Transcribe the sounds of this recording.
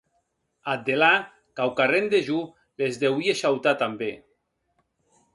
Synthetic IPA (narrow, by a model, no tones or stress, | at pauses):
at̪ːela | kawkarend̪eʒu | lezd̪ewieʃawt̪at̪ambe